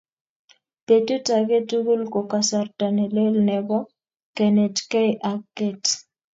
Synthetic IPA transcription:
pe˨tu˦ta˨ɡe˦tu˦ɡu˦lko˨ka˨sa˨rta˨nɛ˨le˦lnɛ˨bɔ˦ | kɛ˨nɛ˨d͡ʒkɛ˦ʔa˨kːe˨t

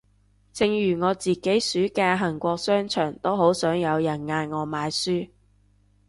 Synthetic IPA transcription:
t͡sɪ˨ŋjyː˨˩ŋɔː˨˧t͡siː˨ke˨˥jsyː˨˥kɛː˧ɦɐ˨˩nkʷɔː˧k̚sœː˥ŋt͡ʃʰœː˨˩ŋt̪o˥wɦo˨˥wsœː˨˥ŋjɐ˨˧wjɐ˨˩nŋaː˧nŋɔː˨˧maː˨˧jsyː˥

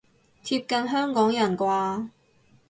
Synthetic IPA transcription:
t͡sʰiː˧˥p̚kɐ˧nɦœː˥ŋkɔː˨˥ŋjɐ˨˩nkʷaː˧

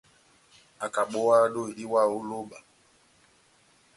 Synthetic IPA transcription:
a˨ka˨ɓɔ˦wa˦ɗo˦i˨li˦wa˦˨u˦lo˦ɓa˨

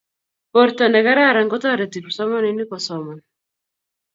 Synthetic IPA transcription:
pɔ˨ɾtɔ˨nɛ˨ka˦ɾa˦˨ɾa˨ŋɡɔ˦ta˦˨ɾa˨ti˨ɾu˨sɔ˦mɔ˦ni˨ni˦kɔ˨sɔ˨mɔ˨n

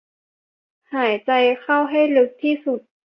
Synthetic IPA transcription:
haː˩˦jt͡ɕa˧jxʰa˥˩wɦa˥˩jlɯ˦˥k̚t̪ʰiː˥˩su˨˩t̪̚

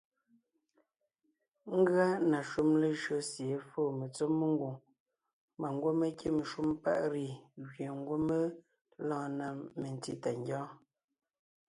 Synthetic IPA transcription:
ŋ̩˦ɡɰa˦na˨ʃu˦mle˨ʒɰo˦sje˨˦foː˦˨me˨t͡so˦mːe˦ŋ˦ɡwu˨ | ma˨ŋ˦ɡwo˦me˦kʰe˦m˨ʃu˦m˦pa̰˦ʔɾi˦˨ɣɥe˨ŋ˦ɡwo˦me˦ | lɔ̃ː˦˨na˦˨me˨n˨ti˦ta˨ŋɡjɔ̃ː˦

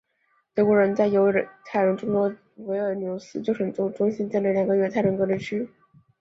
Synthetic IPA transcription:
t̪ɤ˧˥kwɔ˧˥˩ɻə˧˥nt͡sa˥˩ɪjo˧˥ʊ˧˩t̪ʰa˥˩ɪɻə˧˥nʈ͡ʂʊ˥ŋt̪wɔ˥ | we˧˥ɪə˞˧˩njo˧˥ʊsɹ̩˥t͡ɕjo˥˩ʊʂxə˨˩nt͡sʊ˥ŋʈ͡ʂʊ˥ŋɕi˥nt͡ɕɛ˥˩nlə˥˩ljɑ˨˩ŋɡə˦˥ɥɛ˥˩t̪ʰa˥˩ɻə˧˥nkɤ˧˥li˥˩t͡ɕʰy˥

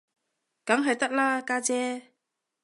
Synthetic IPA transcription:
ka˨˦ŋɦa˨˩jt̪a˦˥t̚laː˧kaː˧t͡ɕɛ˧

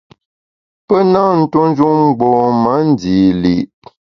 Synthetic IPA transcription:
pə˦na˦n̩˦tu˦n˦d͡ʒu˦ŋ͡m̩˦ɡ͡bo˨ma˨˦n̩˦diː˨li˨ʔ

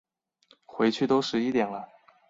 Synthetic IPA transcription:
xwe˧˥ɪt͡ɕʰy˥˩t̪o˥ʊʂɻ̩˧˥i˥˧t̪jɛ˨˩nlə˦

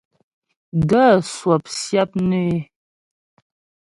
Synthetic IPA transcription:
ɡa˦˨swa˨p̚sja˦p̚nə˦e˦

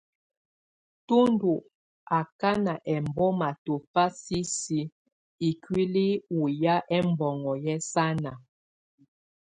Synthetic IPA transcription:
tu˦ndu˨ | a˨ka˦na˨ʔɛ˨mbɔ˦ma˨to˨fa˦si˦si˦ | i˨kɥi˦li˦u˨ja˦ʔɛ˦m˦bɔ˨ŋɔ˨jɛ˦sa˦na˨

